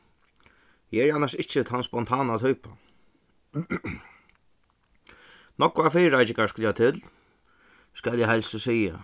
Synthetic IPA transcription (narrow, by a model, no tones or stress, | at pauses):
jɛɛɾanːaʂɪht͡ʃːət̪ʰanspɔnt̪ʰaːnat̪ʰuːpa | nɔkːʊafiːɾajt͡ʃɪŋaskʊljat̪ʰɪl | skæljɛɦɛlsɔsiːja̰